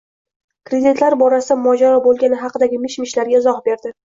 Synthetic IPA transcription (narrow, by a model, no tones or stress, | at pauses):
kɾe̞d̪ɪt̪ʰlaɾbɒɾasɪd̪amɒd͡ʒaɾɒbolˠɡʲanɪɦɑqʰɨd̪aɡʲɪmɪʃmɪʃlaɾɡʲaɪzɒhbe̞ɾd̪ɪ